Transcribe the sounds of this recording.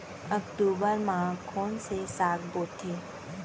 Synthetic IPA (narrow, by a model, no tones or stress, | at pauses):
əkʈuːbəɾmãkʰoːnsesaːkboːt̪ʰeː